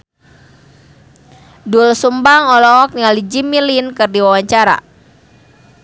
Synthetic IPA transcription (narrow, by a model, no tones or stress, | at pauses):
dulsumbaŋɔlɔk̚niŋalid͡ʒimilinkɨrdiwawaɲt͡ʃaɾa̰